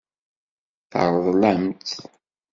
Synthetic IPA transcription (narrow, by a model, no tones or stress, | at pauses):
θə̰ɾˤðˤlæmt̪